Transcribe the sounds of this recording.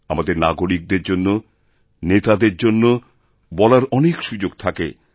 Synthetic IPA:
amad̪eɾnaɡoɾik̚d̪eɾd͡ʑonːo | net̪ad̪eɾd͡ʑonːo | bɔlaɾɔnekʃud͡ʑoɡ̚t̪ʰakḛ

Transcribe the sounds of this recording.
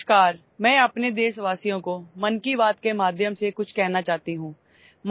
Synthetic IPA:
kaːɾ | mɛ̃ːɐpned̪eːsʋaːsijõkomɐnkiʋaːt̪̚kemaːd̪ʱjəmsekʊt͡ʃʰkɛɦnat͡ʃaːt̪iɦũː | m

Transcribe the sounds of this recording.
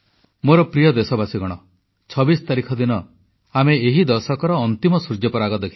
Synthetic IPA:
moɾɔpɾijɔd̪esɔbasiɡɔɽ̃ɔ | t͡ʃʰɔbisɔ̥t̪aɾikʰɔd̪inɔ | ameeɦid̪ɔɾsɔkɔɾɔːnt̪imɔsuɾd͡ʒɔpɔɾaɡɔd̪ekʰi

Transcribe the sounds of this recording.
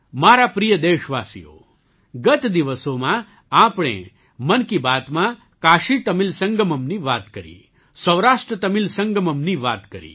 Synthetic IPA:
maɾapɾijəd̪eːʃʋaːsḭjo̰ | ɡət̪d̪iʋəsomã | apɽ̃ḛ | mənkibat̪mã | kaʃit̪əmilsə̃ŋɡəməmniʋat̪kəɾḭ | səʋɾaʂʈɾət̪əmilsəŋɡəməmniʋa̰t̪kəɾḭ

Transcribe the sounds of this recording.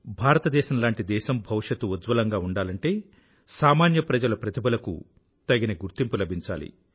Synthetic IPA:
bʱaːɾɐt̪ɐd̪ɛːʃɐmlaːɳʈid̪ɛːʃɐmbʱɐʋʂɐt̪ːuud̪ʋɐlɐŋɡaːuɳɖaːlɐɳʈe̞ː | saːmaːnjɐpɾɐd͡ʒɐlɐpɾɐt̪ibɐlɐkṵ | t̪ɐɡinɐɡuɾt̪impulɐbʱiɲt͡ʃa̰ːlḭ

